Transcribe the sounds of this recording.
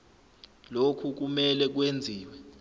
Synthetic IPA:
lokʰuk̬umɛlɛk̬wend͡zʱiːwɛ

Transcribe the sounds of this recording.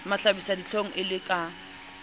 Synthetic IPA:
maɬabisadit͡ɬʰoŋ̩ʔɪlɪkʼa

